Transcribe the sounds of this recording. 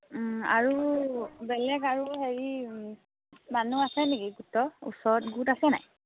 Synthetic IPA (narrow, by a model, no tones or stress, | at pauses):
a̰ɹubɛlɛɡaɹuɦeɹi | manuasɛniɡiɡutɔṵsɔɹɔtɡutasɛna̰j